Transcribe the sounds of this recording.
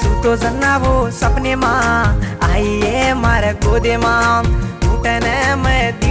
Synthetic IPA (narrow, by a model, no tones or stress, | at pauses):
ut̪ozɐnːaːʋosɐbnemã | aːijemaːɾeɡoːd̪emãːuːʈenɛmɛd̪i